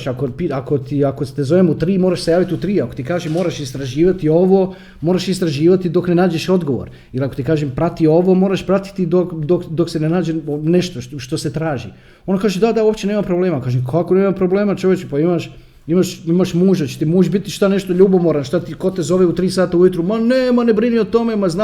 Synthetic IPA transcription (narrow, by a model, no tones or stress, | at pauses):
ʃakopiako̞t̪iakot̪ezo̞ʋemut̪ɾiːmoɾaʃse̞jaːʋit̪iut̪ɾiːako̞̥t̪ikaːʒemo̞ːɾaʃist̪ɾaʒiːʋat̪io̞ʋo | moːɾaʃist̪ɾaʒiːʋat̪id̪o̞knenaːd͡ʒeʃo̞d̪ɡo̞ʋo̰ɾ | iliako̞t̪ikaːʒempɾat̪io̞ʋo̞moːɾaʃpɾat̪i̥t̪id̪okd̪okd̪o̞ksenenaːd͡ʑene̞ʃt̪oʃt̪o̞se̞t̪ɾaːʒḭ | onkaːʒed̪ad̪aopt͡ʃe̞neːmapɾo̞bleːmakaːʒemkʰakoneːmampɾo̞bleːmat͡ʃoʋjet͡ʃupaimaʃ | imaʃimaʃmuːʒd̪at͡ɕe̥t̪imuːʒbit̪iʃt̪ane̞ʃt̪oʎubomoɾanʃt̪at̪iko̞t̪ezo̞ʋeut̪ɾiːsaːt̪aujut̪ɾumaneːmanebɾiniot̪o̞memazna